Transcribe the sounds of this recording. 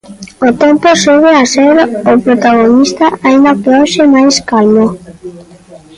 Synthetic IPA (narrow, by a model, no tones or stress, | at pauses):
ot̪emposuɣeaseɾopɾot̪aɣonist̪aaĩnd̪apeɔʃemajskalmo